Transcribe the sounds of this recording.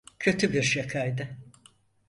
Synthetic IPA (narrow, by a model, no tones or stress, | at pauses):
cʰø̞t̪ʰybiɾʃakʰajd̪ɯ